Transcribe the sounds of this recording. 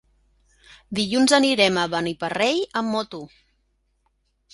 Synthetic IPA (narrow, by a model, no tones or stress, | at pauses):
d̪iʎunzəniɾɛməβənipərejəmːɔt̪u